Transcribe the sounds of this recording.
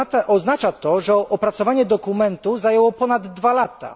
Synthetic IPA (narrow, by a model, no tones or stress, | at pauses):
ʔɔznat͡ʂat̪ɔʐɛʔɔpɾat̪sɔvaɲɛd̪ɔkumɛnt̪uzajɛwɔpɔnad̪ːvalat̪a̰